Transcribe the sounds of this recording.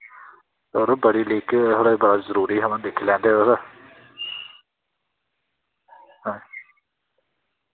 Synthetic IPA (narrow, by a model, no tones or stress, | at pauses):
t̪oːɾbəɽiːliːkt̪ʰoːɽeːbəɽaːzəɾuːɾiːɦəmãlekʰlɛ̃ːnd̪eːosaː | ɦɛ̃ː